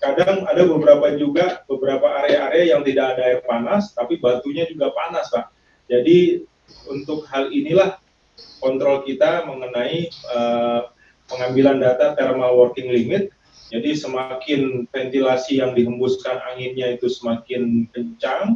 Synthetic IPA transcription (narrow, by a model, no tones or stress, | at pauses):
kadaŋadabəbəɾapad͡ʒuɡabəbəɾapaːɾeaːɾeajaŋt̪idaadaapanast̪apibat̪uɲad͡ʒuɡapanaslah | d͡ʒadi | unt̪ʊk̚halinilah | kɔnt̪ɾɔlkit̪aməŋənaiə | pəŋambilandat̪at̪ɛrmalwɔrkɪŋliŋɪt̪̚ | d͡ʒadisəmakɪnfɛnt̪ilasijaŋdiɦəmbʊskana̰hɪnɲait̪usəmakɪnkəɲt͡ʃaŋ